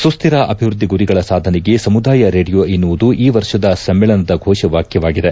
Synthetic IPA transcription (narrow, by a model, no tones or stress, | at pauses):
sust̪ʰiɾɐʔɐbʱiʋɾud̪ʱːiɡuɾiɡɐɭɐsaːd̪ʱɐnɛɡe̞sɐmud̪aːjɐɾeːɖijoːinːuʋud̪uʔiːʋɐɾʂɐd̪ɐsɐmːɛːɭɐnɐd̪ɐɡʱɔːʃɐʋaːkjɐʋaːɡid̪e̞